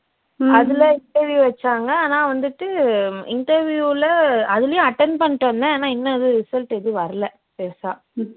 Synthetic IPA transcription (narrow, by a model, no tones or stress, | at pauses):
ɐðɪlɐɪɳʈɐɾʋjuːʋɛt͡ʃːaːŋɡɐaːnãːʋɐnd̪ɯʈːɯɪɳʈɐɾʋjuːlɐɐðɪlɐjʊ̃ɐʈːɛnɖpɐɳːɪʈːɐnd̪ɐaːnaːɪnːɐɐðɯɾɪsɐlʈɛðɯʋɐɾɐlɐ | peːsa̰ː